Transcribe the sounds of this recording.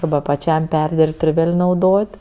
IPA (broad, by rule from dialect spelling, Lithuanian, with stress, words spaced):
ɐrˈbɐ pɐˈt͡ʃʲɛm ˈpʲɛrʲdʲɪrpt ɪr ˈʋʲeːlʲ nɐʊˈdoːtʲ